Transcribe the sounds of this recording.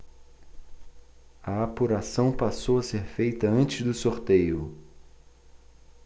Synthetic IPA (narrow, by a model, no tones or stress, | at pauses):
ɐapuɾasɐ̃w̃pasowɐseɾfejt̪ɐɐ̃nt͡ʃɪzd̪ʊsoɾt̪ejʊ